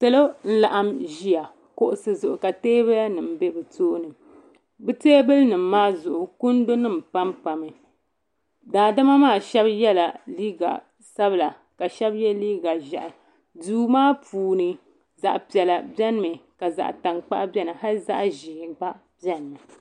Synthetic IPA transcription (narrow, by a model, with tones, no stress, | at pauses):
tɨ˦lo˦n̩˦la˨ʔa˦mʒi˦ja˨ | ko˨ʔʊ˨sɨ˨zʊ˨ʔʊ˨ka˨teː˦bɨ˦ja˦nɨ˨m̩˨be˦bɨ˨tʰoː˦nɨ˨ | bɨ˦teː˦bɨ˦lnɨ˨m̩ː˦aː˦zʊ˨ʔʊ˨kʊ˦n˦do˦nɨ˦m˨pa˦mpa˨mɨ˨ | daː˨da˦ma˦maː˦˨ʃɛ˦bjɛ˦la˨liː˦ɡa̰˨ | sa˦bɨ˨la˨ | ka˨ʃɛ˦bjɛ˦liː˦ɡa˨ʒɛ̰˨ʔa˨ | duː˦maː˦puː˨nɨ˦ | za̰˨ʔpi˨ɛ˨la˨bɛ˦n˦mɨ˨ka˨za̰˨ʔta˨ŋk͡pa̰˦ʔbɛ˦nɨ˨ɦa˦lza̰˦ʔʒi˨k͡pa˦ʔ | bɛ˦n˨mɨ˨